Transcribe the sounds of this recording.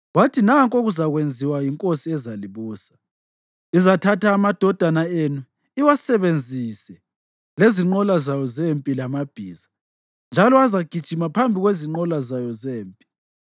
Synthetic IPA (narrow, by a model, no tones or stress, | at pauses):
watʰinaŋkʼoɣuzaɣwend͡zʱiwajiŋkʼosiɛzaliβuːsḁ | izatʰatʰaːmad̥ʱɔd̥ʱanaenu | iwasɛβend͡zʱisɛ | leziŋ͡ǃɔlazajɔzempʼilamab̥ʱiːza | nd͡ʒʱalɔazaɡ̥ʱid̥ʒ̥ʱimapʰambʱiɣweziŋ͡ǃɔlazajɔzeːmpʼi̥